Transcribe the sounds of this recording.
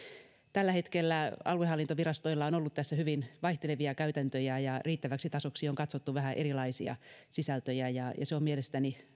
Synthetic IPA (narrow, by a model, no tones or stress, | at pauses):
t̪ælːæhet̪kelːæɑ̰luehɑlːint̪oʋirɑst̪oilːɑonolːut̪t̪æsːæhyʋinʋɑiht̪eleʋiɑkæyt̪ænt̪øjæjɑriːt̪ːæʋæksit̪ɑsoksioŋkɑt̪sot̪ːuʋæhæʔerilɑisḭɑ̰sisælt̪øjæjɑjɑ̰seomielest̪æni